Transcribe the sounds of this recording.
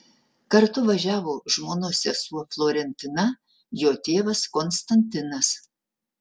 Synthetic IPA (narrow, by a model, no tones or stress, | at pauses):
kɐɾt̪ʊʋɐʒʲæːʋoːʒmoːnoːsʲɛsuɔflˠoːɾʲɛnʲt̪ʲɪnɐ | joːt̪ʲeːʋɐskɔnst̪ɐnʲt̪ʲɪnɐs